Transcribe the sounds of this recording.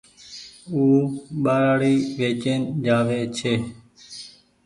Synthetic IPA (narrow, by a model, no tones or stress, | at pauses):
uːɓaːɾaːɽiːʋeːt͡ʃeːnd͡ʒaːʋeːt͡ʃʰeː